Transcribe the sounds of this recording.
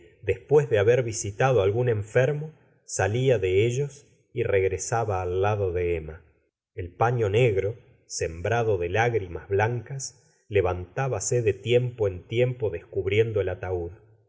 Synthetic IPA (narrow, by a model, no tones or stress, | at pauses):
d̪e̞spwezðeaβeɾβisit̪aðoalɣunẽ̞ɱfeɾmo | saliaðeeʒo̞s | ireɣɾesaβaːlːaðo̞ðeema | elpaɲo̞neɣɾo̞ | sembɾaðoðelaɣɾimazβlaŋkas | leβant̪aβaseðet̪je̞mpoent̪je̞mpo̞ðehkuβɾje̞nd̪oelat̪auð